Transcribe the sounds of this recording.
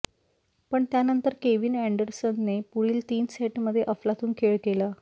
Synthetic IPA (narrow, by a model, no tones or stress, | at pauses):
pəɳt̪janənt̪əɾkeʋiːnæɳɖəɾsənːepuɽiːlt̪iːnseʈməd̪ʱːjeʔəflat̪uːnkʰeɭkela